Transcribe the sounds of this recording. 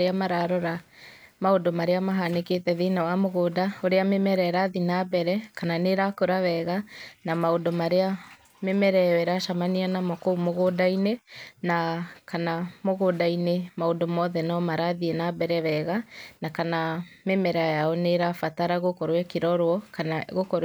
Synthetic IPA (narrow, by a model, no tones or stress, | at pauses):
ɾeamaɾaɾɔɾamaondomaɾeamaɦaneketɛðenawamoɣoːdaoɾeamemɛɾɛɾaðinabɛɾɛkananeɾakoɾaβɛɣanamaondomaɾea | memɛɾɛɛɾaʃamanianamɔkoumoɣoːdainenakanamoɣoːdainemaodomɔðɛnɔmaɾaðienabɛɾɛβɛɣanakanamemɛɾajaɔneɾafataɾaɣokɔɾwɛkeɾɔɾwɔkanaɣokɔɾ